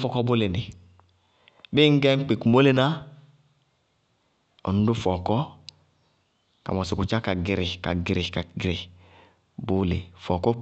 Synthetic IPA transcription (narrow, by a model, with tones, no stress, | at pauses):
fɔ˦kɔ˦bo˦le˨ni˨ | bi˦ŋ̩˦ɡɛ˦ŋ̩˦k͡pe˨ku˨mo˦le˦na˦ | ɔ̰˨nu˦du˦fɔ˨kɔ˦ | ka̰˨mɔ˨si˨ku˨t͡ʃa˦ka˨ɡi˨ɾɪ˨ka˨ɡi˨ɾi˨ka˨ɡɾi˨ | bu˦le˨fɔ˨kɔ˦